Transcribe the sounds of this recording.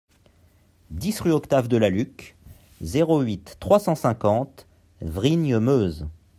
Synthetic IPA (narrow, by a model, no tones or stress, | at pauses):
d̪isʁyɔkt̪avd̪əlalyk | zeʁoɥit̪ːχwasɑ̃sɛ̃kɑ̃t̪ | vʁiɲəmøz